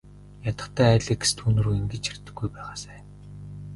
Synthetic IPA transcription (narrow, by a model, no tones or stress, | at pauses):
jat̪ə̆χt̪ʰæːæːɮiːkst̪ʰunɵ̆ɾuiŋɡɘ̆t͡ɕt͡ɕʰar̥t̪ɘ̆ɡːujpæːʁaːsæːn